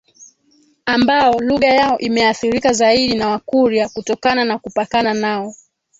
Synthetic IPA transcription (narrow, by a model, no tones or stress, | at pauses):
ambaɔluɣajaɔʔimɛaθiɾikazaiɗinawakuɾiakutɔkananakupakananaɔ